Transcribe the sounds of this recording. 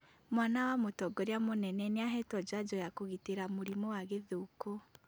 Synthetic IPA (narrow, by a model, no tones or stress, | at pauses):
mwanawamotɔɡɔɾeamonɛnɛneaɦɛtwɔd͡ʒad͡ʒɔjakoɣiteɾamoɾimowaɣeðoko